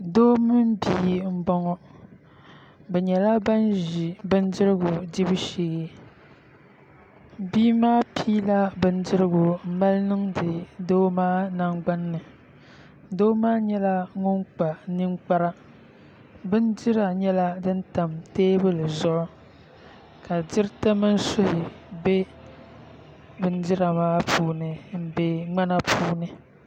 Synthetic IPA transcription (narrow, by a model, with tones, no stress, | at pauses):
doː˦mɨ˦m˦biː˦m̩˦bɔ˦ŋɔ˦ | bɛ˨ɲɛ˨la˦ba˦nʒi˨bɨ˦n˦dɪ˦ɾɨ˦ɡʊ˨di˦bɨ˦ʃi˦ɡɛ˦ | biː˦maː˦pʰiː˦la˦bɨ˦n̩˦dɪ˦ɾɨ˦ɡʊ˨m̩˦ma˦lnɨ˦ŋdɨ˨doː˦maː˦na˦ŋɡ͡ba˦nːɨ˨ | doː˦maː˦ɲɛ˦la˦ŋʊ˦ŋk͡pa˨nɨ˦ŋk͡pa˦ɾa˦ | bɨ˦ndɪ˦ɾa˨ɲɛ˦la˦dɨ˦nta˨mteː˦bɨ˦lɨ˨zʊ˦ʔʊ˦ | ka˨d͡ʒɪ˦ɾta˦mɨ˦n˦so˦hɪ˨ | be˦ | bɨ˦n˦dɪ˦ɾa˨maː˦pʰuː˦nɨ˨m̩˦˨be˦ŋ͡ma˦na˦pʰuː˦nɨ˨